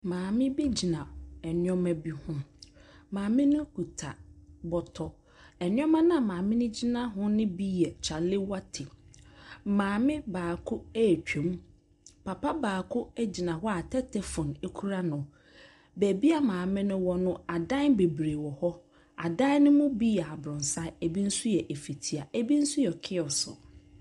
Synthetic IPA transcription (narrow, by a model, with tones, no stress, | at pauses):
mãː˨mɪ̃˦be˦d͡ʑi˨nã˨ɛ˨nɪ˦ɔ̃˦mɛ̃˦bi˦hʊ̃˦mãː˨mɪ̃˦nʊ̃˦ku˨tʰa̰˨bɔ˨tʰɔ˨ | ɛ˨nɪ̃˦ɔ̃˦mã˦nã˨mãː˨mɪ̃˦nʊ̃˦d͡ʑi˦nã˦ɦʊ̃˦nɪ̃˦bi˦jɛ˨t͡ɕʰa˨lɪ˦wa˦tʰɪ˨ | mãː˨mɪ̃˦baː˨kʰʊ˦ɛ˦˨t͡ɕᶣẽ˨˦m | pʰa˨pa˦baː˨kʰʊ˦æ˦d͡ʑi˨nã˨hɔ˦a˨tʰɛ˦tʰɛ˨fɔ̃˨ne˦kʰu˦ɾa˦nʊ̃˨ | bæ˨bi˦a˦mãː˨mɪ̃˦nʊ̃˦wɔ˦nʊ̃˦a˨dã˦n˦be˨bɾe˨wɔ˨hɔ˦ | a̰˨dã˦nʊ̃˦mʊ̃˦bi˦ɛ˨a˨bɾʊ̃˨n˨sa˦æ˨bi˦n̩˦su˦jɛ˨ʔe˨fi˨tʰi˨a˨æ˦bi˦n̩˦su˦jɛ˨kʰɪ˦ɔ˨sɔ̰˨